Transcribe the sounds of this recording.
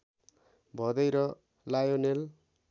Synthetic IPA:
bʱʌd̪ʌjɾʌ | lajonel

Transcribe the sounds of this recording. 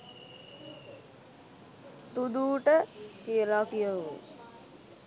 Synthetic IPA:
t̪ud̪uːʈəkijəlakijəṵ

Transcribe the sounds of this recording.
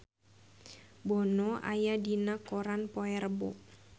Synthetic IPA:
bɔnɔʔa̰jadinakoɾanpɔɛrbɔ̰ʔ

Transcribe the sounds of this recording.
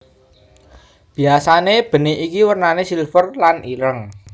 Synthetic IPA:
b̥i̤asaneb̥ə̤niʔikiwərnanesilfərlaniɾəŋ

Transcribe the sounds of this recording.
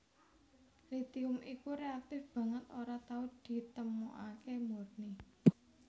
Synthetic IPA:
rit̪iʊmʔikuɾeak̚t̪ɪfb̥ä̤ŋət̪oɾat̪aud̪̥i̤t̪əmuʔa̰kemurni

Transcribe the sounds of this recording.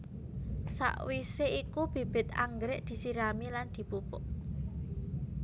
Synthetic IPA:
sa̰ʔwiseʔikub̥e̤b̥ɪ̤t̪a̰ŋɡɾɪʔd̪̥i̤siɾamiland̪̥i̤pupʊʔ

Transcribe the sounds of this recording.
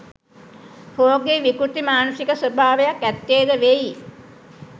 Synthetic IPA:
hoːɡeʋikut̪imaːnusikəsəbʱaːʋejakːæt̪ːjeːd̪əʋeji

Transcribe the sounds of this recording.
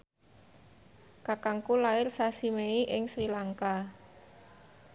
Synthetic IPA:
kakaŋkulaɪrsasimeiʔɪŋsɾilaŋka

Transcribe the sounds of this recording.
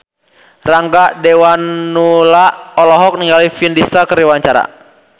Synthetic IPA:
raŋɡaʔdɛwanːulaʔɔlɔɦɔk̚niŋɡalifindisakəɾiwaɲt͡ʃaɾa̰

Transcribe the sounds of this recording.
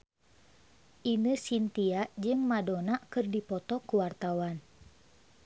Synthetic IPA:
ʔinəsint̪iaʔd͡ʒɨŋmadonakɨrdipɔt̪ɔkuwart̪awan

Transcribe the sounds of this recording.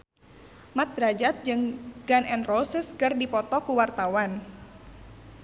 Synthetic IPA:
mat̪̚ɾad͡ʒat̪̚d͡ʒɨŋɡanɛnrɔsəskərdipɔt̪ɔkuwart̪awan

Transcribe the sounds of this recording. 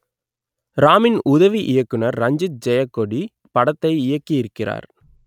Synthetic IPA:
ɾaːmɪnʊðɐʋiʔɪjɐkːɯnɐɾːɐɲd͡ʒɯt̪̚d͡ʒɛjɐkːɔɽi | pɐɽɐt̪ːɐɪɪjɐkːiɪɾɯkːɪra̰ːɾ

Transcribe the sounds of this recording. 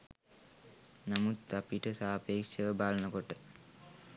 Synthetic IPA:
namut̪apiʈəsaːpeːkʃəʋəbaːlənəkoʈə

